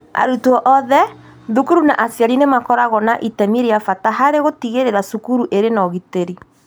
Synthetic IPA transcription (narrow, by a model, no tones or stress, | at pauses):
a̰ɾutwɔʔɔðɛ | ðukuɾunaʔasiaɾinemakɔɾaɣɔnaʔitɛmeɾeafataɦaɾeɣotiɣeɾeɾasukuɾuʔeɾenaɔɣiteɾi